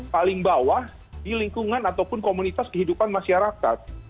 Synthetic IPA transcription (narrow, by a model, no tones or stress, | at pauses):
palɪŋbawah | diliŋkuŋanat̪awpʊnkomunit̪askəɦidupanmaʃaɾaka̰t̪̚